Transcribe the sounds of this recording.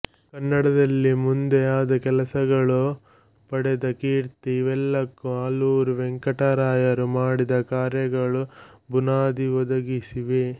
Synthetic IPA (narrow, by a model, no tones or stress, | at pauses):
kɐnːɐɽɐd̪ɐlːimund̪eaːd̪ɐkɛlɐsɐɡɐɭu | pɐɽɛd̪ɐkiːɾt̪iiʋɛlːɐkːuaːluːɾuʋɛŋkɐʈɐɾaːjɐɾumaːɽid̪ɐkaːɾjɐɡɐɭubunaːd̪iʋɔd̪ɐɡisiʋe